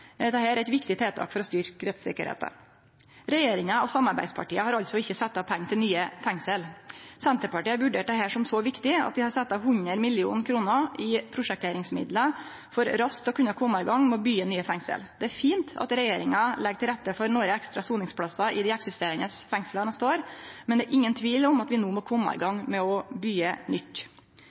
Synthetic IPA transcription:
d̪ɛhæːɾæɪt̪ʋɪkt̪ɪt̪ʰeːt̪ʰɑ̰ːkfɔɾɔst̪ʏɾkɾɛt̪sɪ̰kːəɾhḛːt̪ə̰ | ɾɛjeːɾɪŋəɔsɑmːɑɾbæ̰ɪd̪spʰɑ̰ʈiːəhɑɾɑlt̪sɔɪçːəsɛt̪ːɑpʰɛŋːt̪ʰɪlnyːəfɛŋsəlsɛnt̪əɾpɑʈiːɑʋʉɖeːʈ̚d̪ɛɦæːʂɔmsɔʋɪkt̪ɪɑ̰t̪̚d̪ɪhɑɾsɛt̪ːɑhʉɲəɾmɪlɪṵːnkʰɾuːnəʔɪpʰɾʊʂɛk̚t̪ʰeɾɪŋsmɪ̰d̪lə | fɔɾɾɑskt̪ɔkʰʉnɑkʰɔmːɑɪɡɑŋːmɛɔbyːənyːəfɛŋsə̰ld̪̥ɛæɾfiːnt̪ʰɑ̰t̪ɾɛjeːɾɪŋɑlɛɡ̚t̪ɪlɾɛt̪ːəfɔɾnoɾəɛkst̪ɾɑsuːnɪŋspʰɽɑsɑʔɪd̪ɛɛksɪst̪eːɾɪŋəsfɛŋslɑnɛst̪əoːɾmɛnd̪ɛːɾʔɪŋːənt̪ʰʋiːlɔmɑt̪ʋɪnoːmɔkʰɔmːɑ̰ɪ̰ɡɑŋmɛɔbyːənʏt̪ː

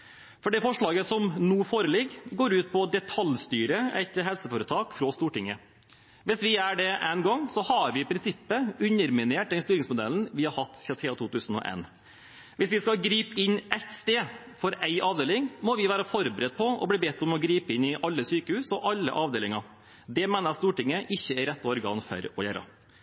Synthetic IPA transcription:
fɔɖɛfɔʂɭɑːɡəsɔmnuːfoːɾəlɪɡɡoːɾʉːt̪̚pʰɔd̪ɛt̪ʰɑlst̪yːɾəɛ̰ɪt̪ɦɛlsəføːɾət̪ʰɑːkfɾɔst̪uːʈɪŋːə | ʋɪsʋɪæɖɛʔænɡɔŋsɔhɑɾʋɪpʰɾɪnsɪpːəʉnəɾmɪneːʈ̚d̪ɛnst̪yːɾɪŋsmʊd̪ɛ̰ln̩ʋɪhɑɾhɑt̪ːçɑsɛːɑt̪ʰuːt̪ʉːsn̩ɔ̰ʔḛn | ʋɪsʋɪskɑɡɾiːpɪnːɛt̪st̪eː | fɔɾæɪʔɑːʋd̪eːlɪŋmɔʋɪʋæːɾəfɔɾbəɾət̪̚pʰɔɔ̰bliːbɛt̪ːɔmɔɡɾiːpəɪnɪʔɑlːəsyːkəhʉːsɔʔɑlːə̰ʔɑːʋd̪eːlɪŋɑ | d̪ɛmeːnɑst̪uːʈɪŋːəʔɪçːəɛɾɛt̪ːɔɔɾɡɑ̰ːnfœ̰ɾɔjæːɾɑ̰

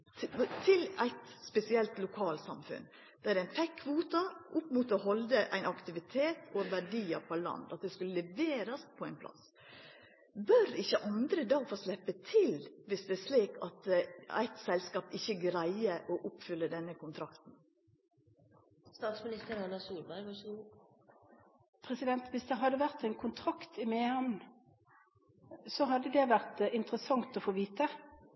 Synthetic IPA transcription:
t̪ʰɪlæɪt̪spɛsɪɛlt̪lʊkʰɑːlsɑ̰mfʉ̰n | d̪̥æd̪ɛnfɛkʰːʋuːt̪ɑʔʊpːmuːt̪ɔɦɔld̪əʔæ̰ɪnɑkt̪ɪʋɪt̪ʰeːt̪ʰɔʋæɖiːɑpʰɔlɑ̰nd̪ɑt̪̚d̪ɛskʉləlɛʋeːɾɑspʰɔæɪnpʰlɑ̰s | bœɾɪçːəʔɑnd̪ɾəd̪ɑːɡfoːslɛpːət̪ʰɪlʋɪsd̪ɛæʂliːkɑt̪æ̰ɪt̪sɛlskɑːpɪçːəɡɾæɪəʔɔʔʊpfʏlːəd̪ɛnːəkʊnt̪ʰɾɑkt̪n̩ | st̪ɑːt̪smɪnɪst̪əɾɑnɑsuːlbæɾɡʋɑʂɡu | pʰʁɛsɪd̪ɛnt̪ʋɪsd̪ɛɦɑd̪ːəʋæʁt̪æɪnkʰʊnt̪ʰʁɑkt̪ʰɪmeːhæmn | sɔɦɑd̪ːəd̪ɛʋæʁt̪ɪnt̪əʁəsɑŋt̪ɔfoːʋiːt̪ə

